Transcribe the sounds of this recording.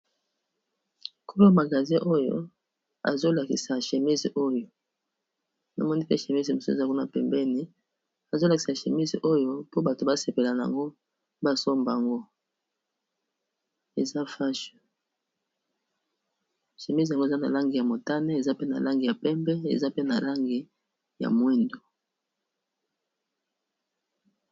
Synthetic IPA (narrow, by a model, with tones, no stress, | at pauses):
ku˦bi˦a˦˨ma˨ɡa˨zĩ˦ʔo˦jo̰˦ | a̰˨zo˦la˨ki˨sa˨ʃe˨mi˦zo˦jo˨ | na˨mɔ˦ni˦pe˦ʃe˨mi˦zi˨mo˨so˦ḛ˨za˦ku˦na̰˨pɛ˨mbɛ˦ni˨ | a˨zo˦la˨ki˨sa˨ʃe˨mi˦zʔo˦jo˦po˦ba˨to˨ba˦se˨pe˨la˨na˨a̰˨ŋɡo˦ | ba˦so˦mba˨ŋɡo˦ | e˨za˦fa˦ʃo˨ | ʃe˨mi˦s̬a˨ŋɡo˦˨za˦na̰˨la˦ŋɡi˨ja˨mo˨ta˦ne˦e˨za˦pe˦na̰˨la˦ŋɡi˨ja˨pɛ˦mbɛ˦ḛ˨za˦pe˦na˨la˦ŋɡi˨ | ja̰˨mwe˦ndo˨